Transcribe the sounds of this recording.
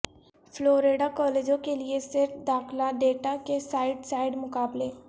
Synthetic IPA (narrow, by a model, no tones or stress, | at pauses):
fʰloːɾeːɖakɔːleːd͡ʒõkeliesɪɾfʰd̪aːxlaɖeːʈakesaːɪɖsaːɪɖmʊkaːbleː